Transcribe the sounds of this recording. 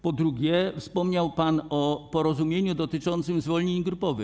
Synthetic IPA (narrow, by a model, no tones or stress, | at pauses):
pɔd̪ɾuɡʲɛfspɔmɲawpanɔpɔɾɔzumʲjeɲud̪ɔt̪ɘt͡ʂɔnt̪sɘmzvɔlɲeɲɡɾupɔvɘx